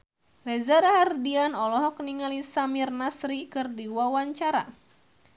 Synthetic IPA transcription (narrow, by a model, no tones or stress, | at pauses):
rɛzaɾaɦardianɔlɔɦɔkniŋalisamirnasɾikɨrdiwawaɲt͡ʃaɾa̰